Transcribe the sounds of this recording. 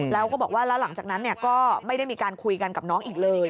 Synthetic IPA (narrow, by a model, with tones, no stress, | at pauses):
lɛː˦˥wkɔː˥˩bɔː˨˩k̚waː˥˩lɛː˦˥wla˩˦ŋt͡ɕaː˨˩na˦˥nːi˥˩ɐkɔː˥˩ma˥˩jɾa˥˩jmiː˧kaː˧nkʰu˧jka˧nka˨˩p̚nɔː˦˥ŋʔiː˨˩k̚lɤː˧j